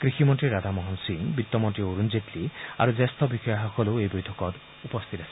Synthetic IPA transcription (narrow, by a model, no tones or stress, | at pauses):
kɾiximɔɳʈɾiɾad̪ʱamɔɦɔnsiŋbit̪ːɔmɔnɳʈɾioɾund͡ʒetlia̰ɾud͡ʒest̪ʰɔbixɔjɔɦakɔlewejbɔjtʰɔkɔt | upɔst̪ʰit̪asʰi